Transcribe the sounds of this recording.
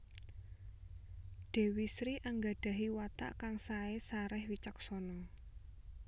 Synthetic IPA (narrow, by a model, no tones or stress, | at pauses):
ɖ̪̥e̤wisɾiʔaŋɡaɖ̥ä̤ɦiwat̪a̰ʔkaŋsaesaɾɛhwit͡ʃək̚sɔnɔ